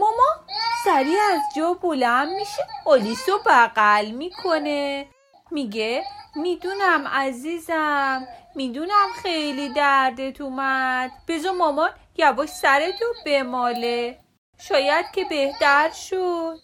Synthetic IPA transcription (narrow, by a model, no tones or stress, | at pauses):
mɒmɔsæɾiːæzd͡ʒɒːbolænd̪miʃeolisobæɣælmikʰone | miɡemid̪unæmæziːzæmːid̪unæmxejlid̪æɾd̪et̪ʰumæd̪̥b̥e̞zɒmɒmɒn | jævɔʃsæɾet̪ʰob̥emɒːle | ʃɒːjæd̪̥̚cʲʰe̞be̞ht̪æɾʃod̪